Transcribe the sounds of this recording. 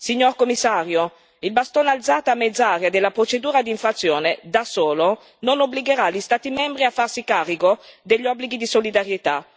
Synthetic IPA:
siɲːorkomːisːaːɾjo | ilbast̪onalt̪zaːt̪amːed̪zaːɾjad̪elːapɾot͡ʃed̪uːɾad̪iɱfɾat̪sːjoːned̪asoːlo | nonobliɡeɾaʎist̪aːt̪imɛmbɾiafːarsikaːriɡod̪eʎːɔbːliɡid̪isolid̪aɾjet̪a

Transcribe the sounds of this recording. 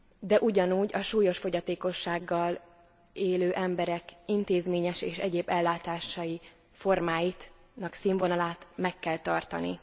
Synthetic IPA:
d̪ɛʔuɟɒnuːɟɒʃuːjo̞ʃfo̞ɟɒt̪eːko̞ʃːaːɡːɒl | eːløːʔɛmbɛɾɛkint̪eːzmeːɲɛʃeːʃɛɟeːbɛlːaːt̪aːʃɒji | fo̞rmaːjit̪ | nɒksiːɱvonɒlaːt̪mɛkːɛlt̪ɒrt̪ɒ̰nḭ

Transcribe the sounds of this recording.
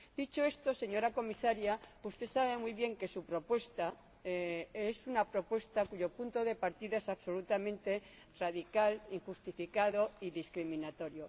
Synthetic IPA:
d̪̥it͡ʃo̞e̞st̪o̞se̞ɲo̞ɾako̞misaɾjaust̪e̞saβ̞e̞mwuijβje̞ŋke̞supɾo̞pwe̞st̪a | esunapɾo̞pwe̞st̪akuʝo̞punt̪o̞ðe̞paɾt̪iðaesaβso̞lut̪amẽ̞nt̪e̞ | raðikaliŋxust̪ifikaðo̞iðiskɾimĩnat̪o̞ɾjo̞

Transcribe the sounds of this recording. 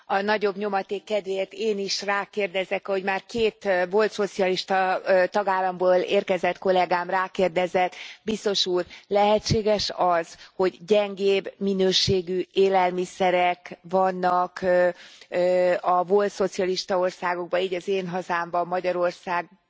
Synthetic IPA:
ɒnɒɟo̞bɲo̞mɒt̪eːkːɛd̪ʋeːrt̪eːniʃraːkeːrd̪ɛzɛkɒho̞ɟmaːrkeːt̪vo̞lt̪so̞t̪sijɒliʃt̪ɒt̪ɒɡaːlːɒmboːleːrkɛzɛt̪ko̞lɛɡaːmraːkeːrd̪ɛzɛt̪bist̪o̞ʃuːrlɛɦɛt͡ʃːeːɡɛʃɒz̥ho̞ɟɟɛŋɡeːbminøːʃeːɡyːeːlɛlmisɛɾɛkvɒnːɒk | ɒvo̞lt̪so̞t̪sijɒliʃt̪ɒo̞rsaːɡo̞ɡ̚bɒiːɟɒzeːnɦɒzaːmbɒmːɒɟɒɾo̞rsaːɡ̚

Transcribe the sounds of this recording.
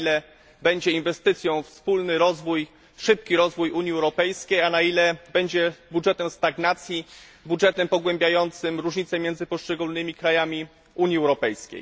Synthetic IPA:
ilɛ | bɛɲd͡ʑɛinvɛst̪ɘt̪sʲjɔ̃w̃fspulnɘɾɔzvuj | ʂɘp̚kʲiɾɔzvujuɲiɛwɾɔpɛjskʲejanailɛbɛɲd͡ʑɛbudʐɛt̪ɛmst̪aɡnat̪sʲjibudʐɛt̪ɛmpɔɡwɛmbʲjajɔnt̪sɘmɾuʐɲit̪sɛmʲjɛnd̪zɘpɔʂt͡ʂɛɡulnɘmʲikɾajamʲi | uɲjiɛwɾɔpɛjskʲḛj

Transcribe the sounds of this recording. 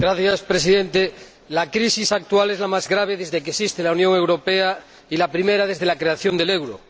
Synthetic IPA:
ɡɾaθjaspɾes̬iðẽnt̪e | lakɾisisak̚t̪ualezlamazɣɾaβ̞eðe̞zðekesist̪elaunjoŋe̞wɾopea | ilapɾimeɾað̞ezðe̞lakɾeaθjond̪e̞lewɾo

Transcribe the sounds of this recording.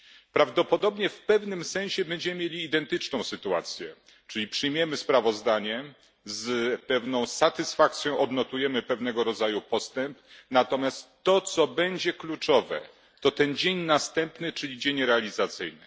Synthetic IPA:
pɾavd̪ɔpɔd̪ɔbɲɛfpɛvnɘmsɛ̃ɕɛbɛɲd͡ʑɛmɘmʲjelʲiːd̪ɛnt̪ɘt͡ʂnɔ̃w̃sɘt̪ua̰t̪sʲjɛ | t͡ʂɘlʲipʂɘjmʲjɛmɘspɾavɔzd̪aɲɛ | zpɛvnɔ̃w̃sat̪ɘsfak̚t̪sʲjɔ̃w̃ʔɔd̪nɔt̪ujɛmɘpɛvnɛɡɔɾɔd̪zajupɔst̪ɛmpnat̪ɔmʲjast̪ːɔt̪sɔbɛɲd͡ʑɛklut͡ʂɔvɛ̰ | t̪ɔt̪ɛnd͡ʑeɲnast̪ɛmpnɘt͡ʂɘlʲid͡ʑeɲɾɛalʲizat̪sɘjnɘ

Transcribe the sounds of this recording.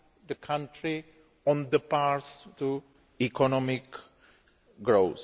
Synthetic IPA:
d̪əkʰãnʈɾi | ɔ̃nd̪əpaɾstu | ikɔnɔmik | ɡɾoʊs

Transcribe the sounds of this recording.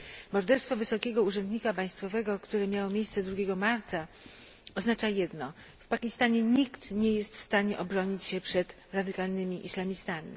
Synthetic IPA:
mɔɾd̪ɛɾst̪fɔvɘsɔkʲɛɡɔuʐɛnd̪ɲikapaj̃st̪fɔvɛɡɔkt̪uɾɛmʲjawɔmʲjejst̪sɛd̪ɾuɡʲɛɡɔmaɾt̪sa | ɔznat͡ʂajɛd̪nɔ | fpakʲist̪aɲɛɲikt̪ɲɛjɛst̪fst̪aɲɛʔɔbɾɔɲit͡ɕɕɛpʂɛt̪ | ɾad̪ɘkalnɘmʲiʔislamʲist̪amʲḭ

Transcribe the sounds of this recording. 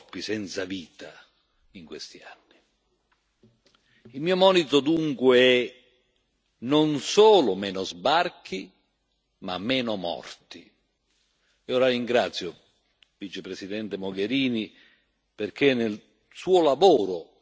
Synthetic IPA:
pːisɛnt̪saviːt̪a | iŋkwest̪ianːi | ilmiːomɔːnit̪od̪uŋkweɛ | nonsoːlʊmɛːnozbark̟i | ma̰mːɛːnʊmɔ̰rt̪i | ioɾariŋɡɾat̪sːjo | vit͡ʃepɾesid̪ɛnt̪emoɡeɾiːni | perk̟enːel | suːʊlavoːɾʊ

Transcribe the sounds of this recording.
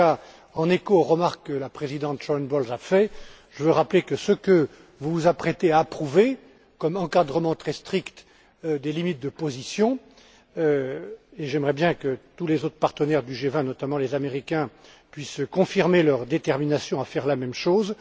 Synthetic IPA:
a | ɑ̃nekoʁəmaʁkkːəlapχezid̪ɑ̃t̪ʒ̥ɔnbɔlzafɛ | ʒ̥əvøʁaplekəsəkə | vuvuzapχɛt̪eaːpχuve | kɔmɑ̃kad̪ʁəmɑ̃t̪χɛst̪χikt̪ | d̪elimit̪̚d̪əpozisjɔ̃ | øeʒɛmʁɛbjɛ̃kət̪ulezot̪χpaʁt̪ənɛʁd̪yʒevɛ̃nɔt̪amɑ̃lezameʁikʲɛ̃ | pɥiskɔ̃fiʁmelœʁd̪et̪ɛʁminasjɔ̃afɛʁlamɛmʃoːz

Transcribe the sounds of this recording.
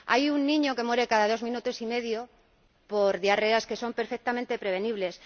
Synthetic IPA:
a̰junːĩɲo̞ke̞mwe̞ɾe̞kaðaðo̞zmĩnut̪o̞sime̞ðjo̞ | po̞ɾðjareaske̞so̞mpe̞ɾfek̚t̪amẽnt̪e̞pɾe̞βe̞niβle̞s

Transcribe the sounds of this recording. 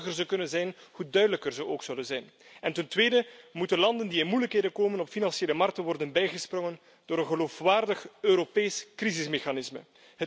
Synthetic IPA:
ɣərzəkɵnənzɛjnhudœɥdələkərzəʔoːksɵwlənzɛjn | ɛntəntʋeːdəmutənlɑndəndiɪnmujləkɦeːdəkoːmənɔpfinɑnseːləmɑrk̚tənʋɔrdənbɛjɣəsprɔŋən | d̥oːɾənɣəloːfʋaːrdəxøɾopeːskrizɪsmexanɪsmə̰ | ɦə

